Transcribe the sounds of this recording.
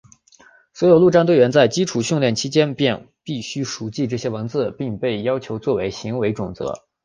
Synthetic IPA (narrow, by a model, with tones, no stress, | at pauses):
swɔ˧˥jo˨˩ʊlu˥˧˩ʈ͡ʂa˥˧nt̪we˥˩ɪɥɛ˧˥nt͡sa˥˩ɪt͡ɕi˥ʈ͡ʂʰu˨˩ɕy˥˧ŋljɛ˥˩nt͡ɕʰi˥t͡ɕjɛ˥npjɛ˥˧n | pi˥˩ɕy˥ʂu˧˥t͡ɕi˥˧ʈ͡ʂɤ˥˩ɕjɛ˥wə˧˥nt͡sɹ̩˥˩pi˥˧ŋpe˥˩ɪjɑ˥ʊt͡ɕʰjo˧˥ʊt͡swɔ˥˩we˧˥ɪɕi˧˥ŋwe˧˥ɪʈ͡ʂʊ˨˩ŋt͡sɤ̰˧˥